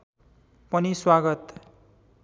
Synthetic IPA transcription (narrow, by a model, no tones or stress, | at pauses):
pʌniswaɡʌt̪